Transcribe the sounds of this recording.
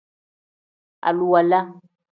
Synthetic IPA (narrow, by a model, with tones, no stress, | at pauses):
a̰˨lu˦wa˨la˦